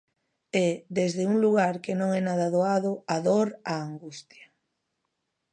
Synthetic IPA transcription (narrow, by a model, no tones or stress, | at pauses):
eðezðeuŋluɣ̞aɾkenõŋɛnað̞aðoaðʊaðoɾaːŋɡust̪ja